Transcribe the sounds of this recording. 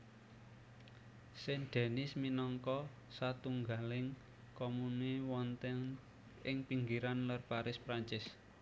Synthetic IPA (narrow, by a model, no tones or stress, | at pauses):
sɛnɖ̪̥ɛ̤nɪsminɔŋkɔ | sat̪uŋɡalɪŋ | kɔmunewɔnt̪ɛŋ | ɪŋpiŋɡiɾanlərpaɾɪspɾaɲt͡ʃɪs